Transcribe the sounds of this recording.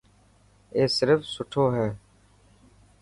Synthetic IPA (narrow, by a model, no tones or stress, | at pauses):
eːsɪɾəfsʊʈʰoːɦɛː